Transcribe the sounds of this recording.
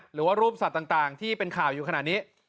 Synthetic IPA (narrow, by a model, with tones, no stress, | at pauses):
ɾɯː˩˦waː˥˩ɾuː˥˩p̚sa˨˩t̪ːaː˨˩ŋt̪aː˨˩ŋt̪ʰiː˥˩pe˧nkʰaː˨˩wjuː˨˩kʰa˧naː˨˩t̪̚niː˦˥